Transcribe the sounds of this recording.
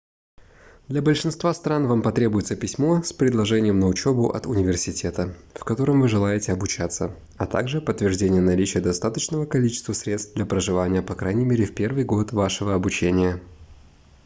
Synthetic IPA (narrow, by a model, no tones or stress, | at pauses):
d̪lʲɐbəlʲʂɨnst̪vast̪ɾanvampɐt̪ɾʲe̞bʊjɪt̪səpʲɪsʲmo̞spɾʲɪd̪lˠɐʐɛnʲɪjəmnəʊt͡ɕebʊʔɐ̰t̪ʊnʲɪvʲɪrsʲɪtʲe̞t̪əfkɐt̪o̞ɾɨmvɨʐɨlˠajɪtʲɪɐbʊt͡ɕat̪sːə | ɐt̪a̰ɡʐɨpət̪ːvʲɪrʐdʲenʲɪjənɐlʲit͡ɕɪjəd̪ɐst̪at̪ət͡ɕnəvəkɐlʲit͡ɕɪst̪vəsɾʲe̞t̪st̪vd̪lʲɐpɾəʐɨvanʲɪjəpɐkɾajnʲɪmʲeɾʲɪfpʲervɨjɡo̞t̪vaʂɨvəɐbʊt͡ɕenʲɪjə